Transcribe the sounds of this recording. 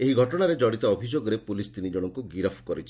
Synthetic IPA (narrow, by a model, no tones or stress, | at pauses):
eɦiɡʱɔʈɔɽ̃aɾed͡ʒɔɽit̪ɔɔbʱid͡ʒoɡɔɾepulist̪inid͡ʒɔɽ̃ɔŋkuɡiɾɔpʰkɔɾit͡ʃʰi